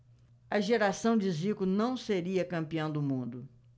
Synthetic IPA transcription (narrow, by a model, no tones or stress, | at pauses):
ɐʒeɾasɐ̃w̃d͡ʒɪzikʊnɐ̃w̃seɾiɐkɐ̃mpiɐ̃w̃d̪ʊmũnd̪ʊ